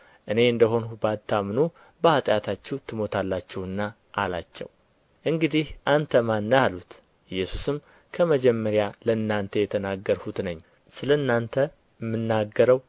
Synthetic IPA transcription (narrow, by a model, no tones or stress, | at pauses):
ʔɨne̞ɨnd̪əɦo̞nuubat̪ʰːamnu | bəat̪ʼjat̪ʰat͡ʃːɛwt̪ʰɨmo̞t̪ʰalːat͡ʃːɛwɨnːa | ʔːla̰t͡ʃːɛ̰w | ʔɨŋɡɨd̪ihʔant̪ʰəmanːəjalut̪ | ʔɨjːɛsusɨm | kʰəməd͡ʒɛmːəɾjaləɨnːant̪ʰəjɛt̪ʰənaɡːəɾhut̪nəɲː | sɨləɨnːant̪ʰə | mːɨnːaɡːəɾəw